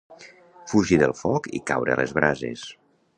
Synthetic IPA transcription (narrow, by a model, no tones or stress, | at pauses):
fuʒiðəlˠfɔkikawɾə̰lezβ̞ɾazḛs